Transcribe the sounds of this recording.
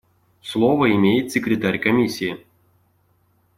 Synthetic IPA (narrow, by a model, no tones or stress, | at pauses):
slˠɔvɐimʲejɪt̪ʲsʲɪkɾʲɪt̪aɾʲkɐmʲisʲɪjɪ